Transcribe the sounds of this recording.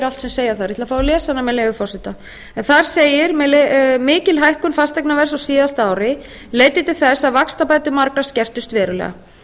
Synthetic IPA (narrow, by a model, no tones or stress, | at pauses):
ɾalt̪sɛmseːjaθaɾit̪lafaːwɾɪlɛːsanːamɛleːɣʏfɔrsɪt̪a | ɛnθaɾ̥seːjɪɾmlmɪːcɪlɦajhkʏnfast̪ɛjknavɛr̥saɣsiːðast̪aːwɾɪ | leːjt̪ɪt̪ɪlθɛsːaðvakst̪apaːjt̪ʏmaɾkɾascɛr̥t̪ʏst̪vɛːɾʏlɛ̰ɣa̰